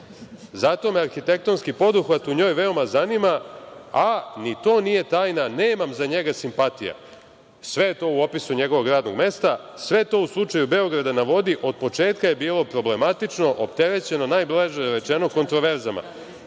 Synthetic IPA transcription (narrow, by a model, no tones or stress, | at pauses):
zat̪o̞meaɾxit̪e̞k̚t̪o̞nskipo̞d̪uxʋat̪uɲo̞ːjʋe̞o̞mazanimaanit̪o̞ːnije̞t̪aːjnaneːmamzaɲe̞ɡasimpat̪ija̰ | sʋe̞jet̪o̞ːuo̞pisuɲe̞ɡo̞ʋo̞ɡɾaːd̪no̞ɡme̞st̪a | sʋe̞t̪o̞uslˠut͡ʂajube̞o̞ɡɾad̪anaʋo̞d̪iʔo̞d̪̚po̞t͡ʂe̞ːt̪kaje̞biːlˠo̞pɾo̞ble̞mat̪it͡ʂno̞ʔopt̪eɾe̞t͡ɕe̞nonaːjblˠeʒeɾe̞t͡ʃeno̞ko̞nt̪ɾo̞ʋe̞ɾzama̰